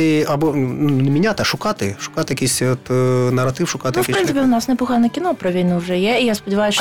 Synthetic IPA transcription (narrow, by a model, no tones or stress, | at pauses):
iɐbonunnʲəmʲɪnʲat̪ɐʂʊkat̪ɨ̰ʂʊ̥kat̪ɨɐkʲisʲot̪nɐɾɐt̪ɨfʂʊkat̪fpɾɨnɨpʲɪʊnasnʲɛpʊɣanɐkʲɪnopɾɐʋʲijnɨwʐɛjɛijaspədʲɪʋajʊsʲ